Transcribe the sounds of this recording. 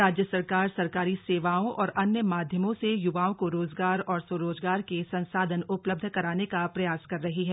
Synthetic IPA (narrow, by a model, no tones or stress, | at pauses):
aːd͡ʒjəsɐɾkaːɾsɐɾkaːɾiseːʋaːõʔɔːɾʔɐnjəmaːd̪ʱjəmõsejʊʋaːõkoɾoːzɡaːɾɔːɾsoɾoːzɡaːɾkesɐ̃nsaːd̪ʱənʊpləb̚d̪ʱkɐɾaːnekapɾɐjaːskɐɾːɐɦiɦɛː